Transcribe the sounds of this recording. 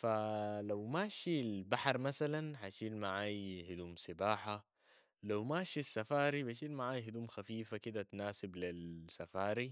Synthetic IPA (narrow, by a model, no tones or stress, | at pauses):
falawmaːʃilbaħɑɾˤmasalanħaʃiːlmaʕaːjhid̪uːmsɪbaːħa | lawmaːʃisːafaːɾibaʃ̬iːlmaʕaːjɦid̪uːmxafiːfakid̪at̪naːsɪblilsafaːɾi